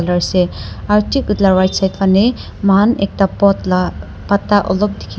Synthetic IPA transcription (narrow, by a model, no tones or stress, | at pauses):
lʌɾseaɾtʰikut̪laɾwajtsajt̪pʰane | manḛk̚tapt̪ | pat̪ːaʔɔlob̚d̪ikʰ